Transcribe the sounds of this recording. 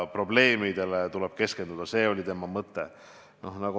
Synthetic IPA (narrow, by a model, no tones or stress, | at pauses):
pro̞ble̞ːmid̪̥e̞let̪ulɛb̥̚ke̞ske̞nd̪ud̪̥ɑse̞ːo̞lʲit̪e̞mɑmɤt̪ːe̞̰ | no̞hnɑɡ̥o